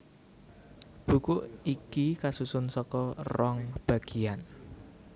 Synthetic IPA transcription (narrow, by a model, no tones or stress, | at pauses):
b̥ṳkʊʔikikasusʊnsɔkɔrɔŋb̥a̤ɡ̥i̤an